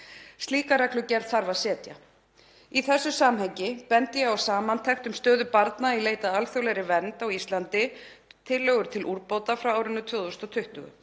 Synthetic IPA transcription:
st̪liːkaɾaklʏcɛɾð̥θaɾvaðsɛːt̪ja̰ | iθɛsːʏsaːmɦɛɲcɪpɛnt̪jɛɣawsaːmant̪ʰɛxt̪ʏmst̪œːðʏpaɾt̪naileːjt̪aðalθjowlɛjɾɪvɛnt̪awist̪lant̪ɪ | t̪ʰɪlːœːɣʏɾ̥t̪ʰɪlʔuɾpowt̪afɾawaːwɾɪnːʏt̪ʰvʏːðɔst̪ɔt̪ʰʏht̪ʏ̰ɣʏ̰

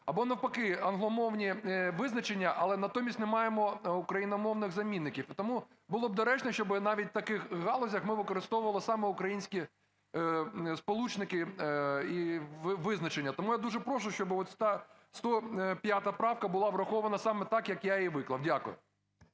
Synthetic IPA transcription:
ɐbɔnɐwpɐkɪɐnɦlˠɔmɔwnʲiʋɪznɐt͡ʃenʲːɐʔɐlˠɛnɐt̪ɔmʲisʲtʲnɛmɑjemɔukɾɐjinɐmɔwnɪɣzɐmʲinːɪkʲiwit̪ɔmu | bʊlˠɔb̚d̪ɐɾɛt͡ʃnɛʃt͡ʃɔbɪnɑʋʲit̚ʲt̪ɐkɪxɦɑlˠɔzʲɐxmɪʋɪkɔɾɪst̪ɔwʊʋɐlˠɪsɑmɛʊkɾɐjinʲsʲkʲi | spɔlˠut͡ʃnɪkɪ | iʋɪznɐt͡ʃenʲːɐt̪ɔmujad̪uʒɛpɾɔʃʊʃt͡ʃɔbɪɔt̪sʲt̪a | st̪ɔpʲjat̪ɐpɾɑwkɐbʊlˠɑʋɾɐxɔʋɐnɐsɑmɛt̪ɑkjɐkjaiʋɪklˠɐwdʲakʊ̰jʊ̰

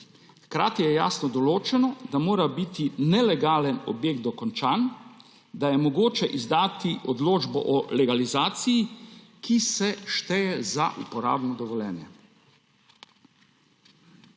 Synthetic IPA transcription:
xkɾa̰ːt̪ijɛja̰ːsnɔd̪ɔloːt͡ʃɛnɔd̪amoːɾabit̪inɛlɛɡaːlənɔ̰bjeːɡ̚t̪ɔkɔnt͡ʃan | d̪ajɛmɔɡoːt͡ʃɛʔizd̪aːt̪iʔɔd̪loːd͡ʒbɔ̰ʔɔlɛɡalizaːt̪sijikisɛʃt̪ɛjɛza̰ʔṵpɔɾa̰ːbnɔd̪ɔʋɔljɛ̰ːnjɛ

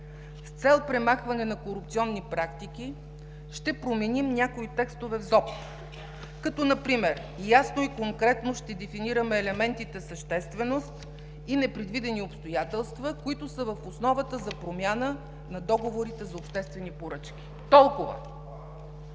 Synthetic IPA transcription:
st̪sɛlˠpɾɛmaxvɐnɛnɐkoɾup̚t̪siɔnːipɾakt̪ik̟i | ʃt̪ɛpɾomɛnimnʲakoit̪ɛkst̪ovɛvzɔp | kɐt̪ɔnɐpɾimɛɾ | jasnoikoŋkɾɛt̪noʃt̪ɛd̪ɛfiniɾəmɛːlɛmɛnt̪it̪ɛsɐʃt̪ɛst̪vɛnost̪ | inɛpɾɛd̪vid̪ɛniopst̪ojat̪ɛlˠst̪vəkoit̪ʊsəvəfosnɔvət̪əzɐpɾomʲjanə | nɐd̪ɔɡovoɾit̪ɛzɐopʃt̪ɛst̪vɛnipoɾɤt͡ʃk̟ʲi̥ | t̪ɔlˠkʊvə̰

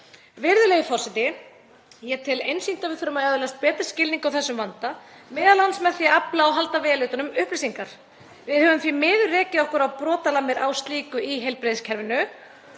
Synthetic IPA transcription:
vɪɾðʏleɣɪfɔr̥sɛt̪ɪ | jɛt̪ʰɪlejnsin̥t̪avɪðθʏɾʏmaɛðʏlɛast̪̚pɛːt̪ɪɾ̥scɪlniŋkawθɛsːʏmvant̪a | mɛːðalansmɛθjaaplaawɦalt̪avɛːalʏːt̪ʏnʏmʏhplɪsiŋkaɾ̥ | vɪðhœvʏmθɾimɪːðʏrɛːcɪɔhkʏɾawpɾɔːt̪alamɪɾawst̪liːkʏiɦejlpɾeðscʰɛɾvɪnːʏ

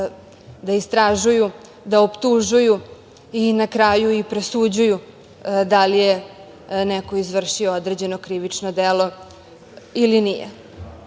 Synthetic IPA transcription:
d̪aist̪ɾaʒuju | d̪aopt̪uʒuju | inakɾaːjuipɾesud͡ʑuju | d̪alije | neko̞izʋr̩ʃiood̪ɾeːd͡ʑe̞nokɾiʋit͡ʂnod̪elo̞ | ilinijḛ

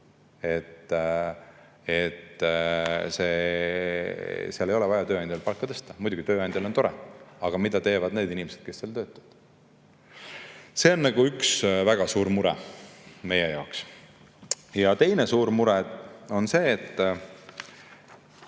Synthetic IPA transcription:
e̞t̪ː | et̪ː | se̞ | siɑle̞jo̞lɛvɑjɑt̪øːɑnd̪ʲjɑlpɑlkːˑɑt̪ɤst̪ɑmujd̪uɡ̥it̪øːɑjnd̪jɑlot̪o̞ɾɛɑɡ̥ɑmid̪̥ɑt̪e̞ːvɑd̪ne̞ːd̪inimese̞d̪̥ke̞sseːlt̪ø̞ːt̪ːˑɑvɑd̪̥ | se̞o̞nːɑɡ̥uyksvæɡ̥ɑsuːɾmuɾɛ̰me̞jejɑoks | jɑt̪e̞jnesuːɾmuɾɛo̞nse̞ːt̪ː

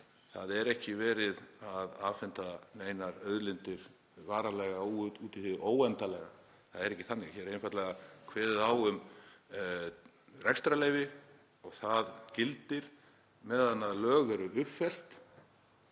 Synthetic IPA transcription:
θaðɛɾɛhcɪvɛːɾɪðaðavfɪnt̪aneːjnaɾœðlɪnt̪ɪɾ̥ | vaːɾalɛɣauuːt̪ɪθɪðʔoːwɛnt̪alɛɣa̰ | θaðɛɾɛhcːɪ̥θanːɪɣaçɛɾejnfajt̪lɛɣakʰvɛːðɪðawʏm | rɛkst̪ɾaleːjvɪ | ɔɣθaðcɪlt̪ɪɾ̥ | mɛðanːaðlœːɣɛɾʏʔʏpfɛl̥t̪

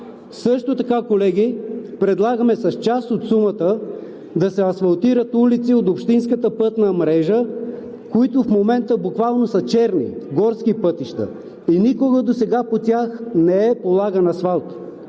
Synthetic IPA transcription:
sɤʃt̪ot̪ɐkakolɛɡʲipɾɛd̪lˠaɡəmɛsɐst͡ʃast̪ot̪sumət̪ə | d̪ɐsɛɐsfɐlˠt̪iɾət̪ulit̪siot̪opʃt̪inskət̪əpɤt̪nəmɾɛʒə | koit̪ʊfmomɛnt̪əbukvalˠnosɐt͡ʃɛɾnḭɡɔɾskipɤt̪iʃt̪ə̰ | inikoɡəd̪osɛɡapot̪ʲaxnɛɛpolˠaɡənɐsvalˠt̪

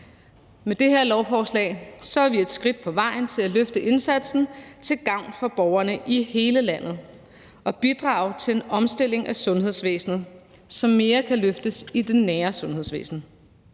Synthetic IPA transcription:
med̥e̝ɦe̝ɐlɒʊfɒːslɛ̰ːɪsɒ̽æɐʋie̝d̥sɡ̥ʁid̥̚pʰɒ̽ʋɑ̈ɪ̰n̩t͡sʰe̝læløfd̥əʔe̝nsæd̥sn̩t͡sʰe̝lɡ̥ɑ̈ʊ̰nfɒ̽b̥ɒʊɐnəʔihe̝ːləlæn̰ð̞̩ˠ | ʔɒ̽b̥id̥ʁɑ̰̈ːʊt͡sʰe̝le̝nɒ̽msd̥e̝l̰e̝ŋʔæsɔ̽nɦeðˠsʋḛːsnð̞̩ˠ | sɒ̽mːe̝ːɐkʰæløfd̥əsid̥enːæːɐsɔ̽nhe̝ð̞̰ˠsʋḛːsn̩

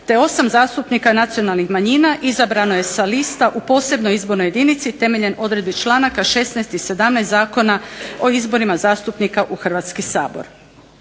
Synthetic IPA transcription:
t̪eo̞samzaːst̪upnikanat̪sio̞nalˠnixmaɲiːnaʔizabɾanoje̞salist̪aʔupo̞ːse̞bno̞jizbo̞ɾnoje̞d̪iːnit̪sit̪e̞me̞ʎe̞no̞d̪ɾe̞d̪̚bit͡ʃlˠaːnakaʃe̞snaest̪ise̞d̪amnɛst̪aːko̞nao̞izbo̞ɾimazaːst̪upnikaʔuxr̩ʋat̪skisa̰ːbo̞̰ɾ

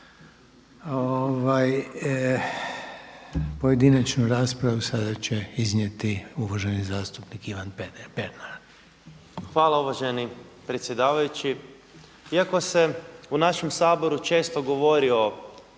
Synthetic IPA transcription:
oʋaj | poje̞d̪inat͡ʃnuɾaːspɾaʋusad̪at͡ʃe̞iznje̞t̪iuʋaʒenizaːst̪upnikiʋanpepeɾnaɾ | xʋaːlˠauʋaʒenipɾet̪sʲjed̪aːʋajut͡ɕi | iako̞se̞unaʃe̞msaːbo̞ɾut͡ʃe̞ːst̪o̞ɡo̞ʋo̞ɾio̞

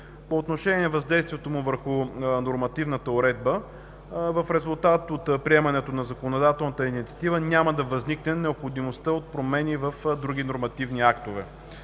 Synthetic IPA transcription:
poːt̪noʃɛnʲiɛvɐzd̪ɛjst̪viɛt̪omʊvəɾxʊnoɾmɐt̪ivnət̪əoɾɛd̪̚bə | vəfɾɛzʊlˠt̪at̪ot̪pɾiɛmɐnɛt̪onɐzɐkonod̪at̪ɛlˠnət̪əinit̪siɐt̪ivənʲjaməd̪ɐvɐzniknɛnɛopxod̪imost̪əot̪̚pɾomɛnivəfd̪ɾuɡinoɾmɐt̪ivniakt̪ovɛ̰

